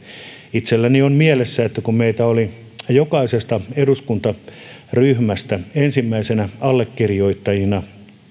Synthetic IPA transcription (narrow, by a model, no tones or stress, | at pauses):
it̪selːæniommielesːæet̪ːækummeit̪æoli | jokɑisest̪ɑeduskunt̪ɑ | ryhmæst̪æensimːæisenæɑlːekːirijoit̪ːɑjinɑ